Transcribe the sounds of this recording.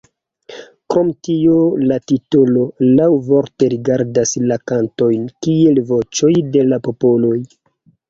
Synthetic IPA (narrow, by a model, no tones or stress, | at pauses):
kɾo̞mtiolatitolo̞lawvo̞ɾte̞ɾiɡaɾdaslakanto̞jnkie̞lvo̞t͡ʃo̞jde̞lapo̞po̞lo̞j